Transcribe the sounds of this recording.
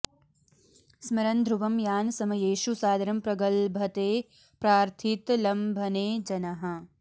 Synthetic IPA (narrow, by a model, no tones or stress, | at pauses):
smɐɾɐnd̪ʱɾuʋɐmjaːnsɐmɐjeːʃusaːd̪ɐɾɐmpɾɐɡɐlbʱɐt̪eː | pɾaːɾt̪ʰit̪lɐmbʱɐneːd͡ʒɐnɐɦɐ̆